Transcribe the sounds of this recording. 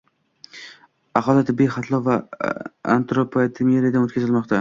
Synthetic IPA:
aqʰɒlˠat̪ʰɪbːijχat̪ʰlˠɒva | a̰nt̪ɾopʰat̪ʰɪmeɾijad̪anot̪kʲazɪlmɒqt̪ʰa

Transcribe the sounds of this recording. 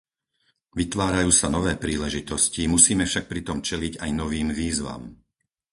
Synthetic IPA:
ʋit̪ʋaːɾajuːsanɔʋɛːpɾiːlɛʒit̪ɔscimusiːmɛfʃak̚pɾit̪ɔmt͡ʃɛliɟajnɔʋiːmʋiːzʋa̰m

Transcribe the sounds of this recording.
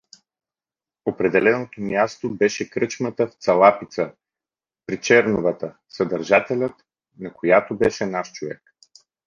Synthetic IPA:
opɾɛd̪ɛlɛnot̪omjast̪obɛʃɛkɾɤt͡ʃmət̪əft̪sɐlˠapit̪sə | pɾit͡ʃɛɾnovət̪ə | səd̪əɾʒat̪ɛlʲət̪ | nɐkojat̪obɛʃɛnaʃt͡ʃovɛ̰k

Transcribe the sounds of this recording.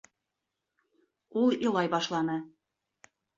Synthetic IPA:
ulˠilˠɑjbɑʃlˠɑnɤ

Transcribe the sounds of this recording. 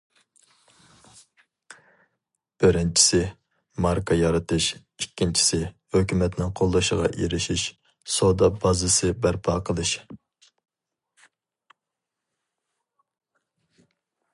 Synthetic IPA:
b̥ɪɾɪnt͡ʃʰi̥sɪ | mɑɾkʰɑjɑɾɨt̪ʰɨʃ | ikʲʰːint͡ʃʰi̥sɪ | høkʲymɛt̪nɪŋqʰolˠːɨʃəʁɑ̰ʔeɾɪʃiʃ | sod̪ɑbɑzɨsɨbæɾpʰɑqʰəlˠɨʃ

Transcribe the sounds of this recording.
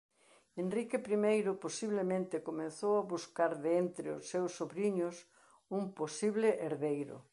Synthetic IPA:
enrikepɾimejɾʊposiβlemẽnt̪ɪkomẽnθowaβuskaɾðent̪ɾɪʊ̰sːewsːoβɾiɲʊs | umposiβlɪʔeɾðejɾʊ̰

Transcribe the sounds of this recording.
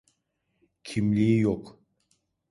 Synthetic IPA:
cʰimlʲiijok

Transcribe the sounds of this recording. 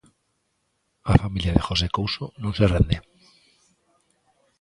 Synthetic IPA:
afamiljaðe̞xose̞kowsonõnserend̪e

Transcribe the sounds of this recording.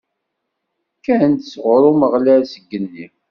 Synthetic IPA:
kːænt̪sʁɾˤuməʁlæɾsəɡːənːi

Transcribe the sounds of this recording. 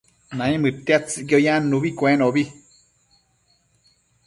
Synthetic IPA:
nãĩmɨt̪eat͡sɨɡojanuβikʷẽnoβi

